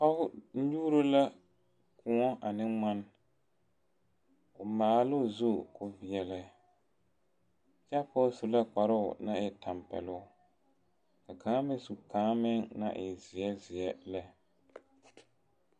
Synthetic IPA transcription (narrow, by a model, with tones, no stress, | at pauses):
ka˦hʊ˦n̩˦ɲuː˦ɾo˦la˦ | kʰʊ˨ŋɔ˦a˨nɪ˦ŋ͡ma˦n˦ | ʊ˨maː˨˦lʊ˦˨zu˦˨kʊ˦vɪ˨ɛ˨lɛ˦˨ | t͡ʃa˦pɔ˦su˨la˦k͡pa˨ɾʊ˦ʊ˨na˦ɪ˨ta˨mpɛ̰˨lʊ˦˨ | ka˨kʰaː˨˦mɪ˦su˨kaː˨˦mɪ˦ŋna̰˦ʔɪ˨zɪ˨ɛ˦zɪ˨ɛ˦lɛ˦